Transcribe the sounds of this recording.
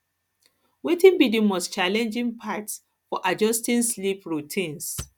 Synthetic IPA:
wetĩnbidĩmɔst͡ʃalɛ̃nd͡ʒĩŋpʰats | fɔʔad͡ʒɔstĩnslipɹutʰĩns

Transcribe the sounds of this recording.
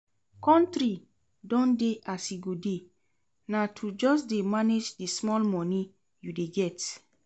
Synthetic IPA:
kɔ̃ntɾi | dɔ̃ndeʔasiɡode | natʰud͡ʒɔsdemaned͡ʒdismɔlmɔ̃nĩ | judeɡɛt

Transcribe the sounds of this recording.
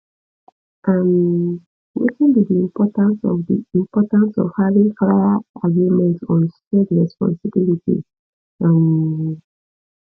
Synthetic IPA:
am | wḛkĩnbidiĩmpɔtãnsɔ̰vdiĩmpɔtãnsɔ̰v̥havĩŋkaaaɡɹimɛ̃ntsɔ̃nstɹɛdɹɛspɔ̰̃nsibilitḭ | ãm

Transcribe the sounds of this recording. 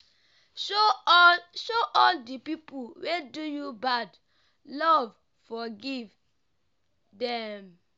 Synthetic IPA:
ʃo | ʃoʔɔldipipulwedujubad | lɔv | fɔɡiv | dɛ̃m

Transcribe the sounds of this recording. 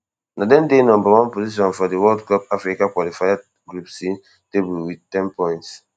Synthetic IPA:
nʔadɛ̃ndenɔ̃mbawɔ̃npoziʃ̬ɔ̃nfɔdiwɔldkɔpafɾikakwɔlifaja | ɡɾupsi | tebuwid̚tɛ̃npɔ̃j̃nts

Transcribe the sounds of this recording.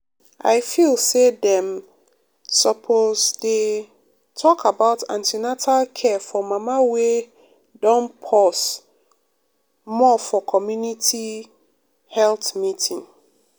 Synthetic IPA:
a̰ɪfilsedɛ̃m | sɔpʰozde | tʰɔkʰabaʊtã̰ntʰinatʰalkʰɛfɔmãmawe | dɔ̃npʰɔs | mɔfɔkʰɔmjunitʰi | hɛlθmitʰĩŋ

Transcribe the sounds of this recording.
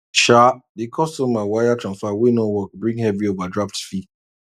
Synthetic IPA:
ʃadikʰɔstɔmawajatʰɹãnsfawinɔwɔk̚bɹĩŋhɛviovadɹaftfi

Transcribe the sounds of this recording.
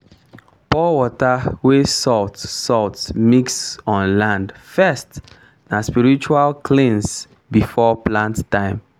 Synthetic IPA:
pɔwɔtawesɔltsɔltsmiksɔ̃nlãndfɛst | naspiɹit͡ʃualkʰlĩns | bifɔplãnttãɪ̃m

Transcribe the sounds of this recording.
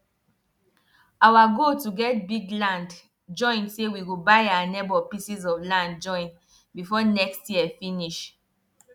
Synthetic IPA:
awaɡotuɡɛt̚biɡlãnd | d͡ʒɔ̃ɪ̃nsewiɡobaɪawanɛbɔpisizɔvlãnd̚d͡ʒɔ̃ɪ̃n | bifɔnɛkstjiəfĩniʃ

